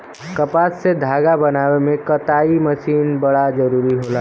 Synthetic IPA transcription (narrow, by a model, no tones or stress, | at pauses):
kəpasːed̪ʱaːɡabənaːwemẽkət̪aːiməsiːnbəɽad͡ʒəɾuːɾiɦola